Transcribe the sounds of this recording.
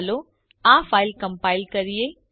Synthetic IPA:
lo | ãːfaːɪlkɐmpaːɪlkɐɾije

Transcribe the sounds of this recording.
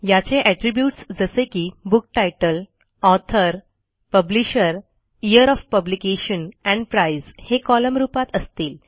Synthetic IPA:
jat͡ɕeʔæʈɾibjuːʈsd͡zəsekiːbuk̚ʈajʈəl | ɔt̪ʰəɾ | pəbliɕəɾ | ijəɾɔfpəblikeɕənɛ̃ɳɖpɾaizhekɔləmɾuːpat̪əst̪iːl

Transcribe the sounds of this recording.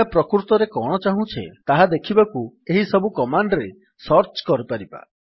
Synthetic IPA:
apɾɔkɾut̪ɔɾekɔɽ̃ɔt͡ʃaɦũt͡ʃʰḛt̪aɦad̪ekʰibaku | eɦisɔbukɔmaɳɖɾe | sɔɾt͡ʃkɔɾipaɾiba̰

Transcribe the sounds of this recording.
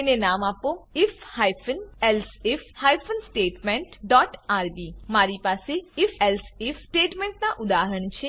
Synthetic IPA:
enenamapoɪfhajfʰənɛlsefhajfʰənsʈeʈmẽɳʈɖɔʈaɾbimaɾipaseɪfelsifsʈeʈmẽɳʈnaʔʊd̪aɦəɾəɳt͡ʃʰe

